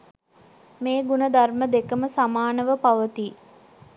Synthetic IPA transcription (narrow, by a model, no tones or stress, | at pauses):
meːɡunəd̪arməd̪ekəməsamaːnəʋəpaʋət̪iː